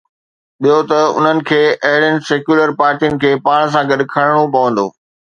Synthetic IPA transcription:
ɓiɦot̪ɐʊ̰n̤ənɪ̆kʰeːʔɐɦɪɽənɪ̆seːkjuːləɾpaːɾʈijənɪ̆kʰeːpaːɽ̃s̬ãɡɐɗ̆kʰɐɽ̃ɽ̃opɐʋə̃nd̪o̰ː

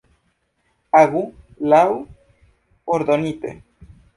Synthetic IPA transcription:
aɣulaw | oɾd̪onit̪ḛ

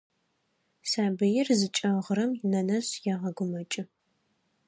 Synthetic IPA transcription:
saːbɨjɪrzɨt͡ʃʼɐʁəɾɐmnɐnɐɕjaʁɐɡʷʊmɐt͡ʃʼɪ

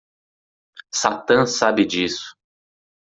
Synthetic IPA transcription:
sat̪ɐ̃sabɪd͡ʒisʊ̥

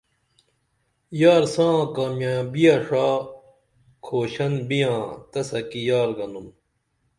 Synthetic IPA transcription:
jaːɾsãːkaːmjãːbijɐʂaː | kʰoːɕɐnbijãːt̪ɐsɐkijaːɾɡɐnum

